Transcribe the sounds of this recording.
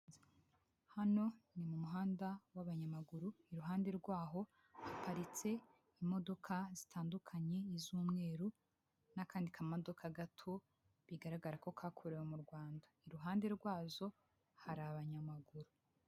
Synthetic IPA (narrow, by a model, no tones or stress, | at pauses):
hano̞nimumuɦaːndawaβaɲamaɡuɾuiɾuɦaːnde̞ɾɡwaːɦo̞ | hapaɾit͡se̞ | imo̞do̞kʰazitʰaːndukʰaɲe̞izuːmŋe̞ːɾu | nakaːndikʰamodo̞kaɡatʰo | βiɡaɾaɡaɾako̞kʰaːkʰuɾewemuɾɡwaːndaiɾuɦaːnde̞ɾɡwaːzo̞ | haɾaβaɲamaɡuɾu